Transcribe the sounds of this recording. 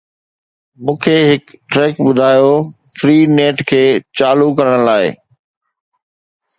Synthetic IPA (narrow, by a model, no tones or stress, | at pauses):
mũːkʰeɦɪkʈɾeːkbʊd̪ʱaːjo | fɾiːneːʈkʰeːt͡ɕaːlukɐɾəɽ̃əlaːɪ̰